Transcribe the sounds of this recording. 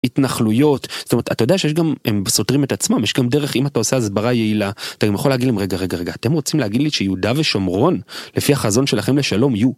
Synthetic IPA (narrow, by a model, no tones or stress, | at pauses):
itnaχlujo̞tz̥otomet̪at̪ajodeaʃejeʃɡamembeso̞tʁimetat͡smamjeʃɡamde̞ʁeχimatao̞seazbaʁaje̞ilaat̪aɡamjaχo̞leaɡidlemʁeɡaʁeɡaʁe̞ɡaːt̪e̞mʁo̞t͡simlehaɡid̪liʃejeud̪aveʃo̞mʁo̞nlefiaχazo̞nʃe̞laχe̞mleʃalo̞miju